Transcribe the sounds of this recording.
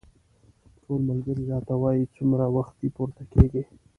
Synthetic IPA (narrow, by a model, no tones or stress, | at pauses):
ʈʰolmalɡəɾiɾɑt̪awɑjit͡sumɾawaxt̪̚ipuɾt̪akeɡi